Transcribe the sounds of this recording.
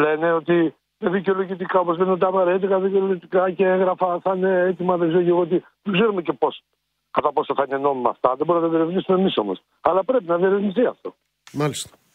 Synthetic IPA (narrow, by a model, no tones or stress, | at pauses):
le̞ne̞o̞t̪i | meðiceo̞loʝit̪ikɐo̞po̞zle̞neot̪iɐpɐɾe̞t̪ik̪ɐðiceo̞loʝit̪ikɐceeŋɣɾɐfɐθɐineet̪imɐðeɡzeɾoʝeɾuo̞t̪̬i | ðeɡzeɾumece̞po̞s | kɐt̪ɐpo̞soθɐine̞no̞mimɐ̰ft̪ɐðeboɾumnɐt̪ɐðieɾevnisumemiso̞mo̞̰s | ɐlɐpɾe̞pinɐðieɾevnist̪iɐft̪o̞̰ | mɐlist̪ɐ̥